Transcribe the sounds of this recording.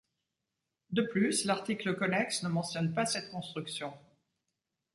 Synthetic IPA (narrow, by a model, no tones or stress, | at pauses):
d̪əplyslaʁt̪ikləkɔnɛksnəmɑ̃sjɔnpasɛt̪̚kɔ̃st̪χyksjɔ̃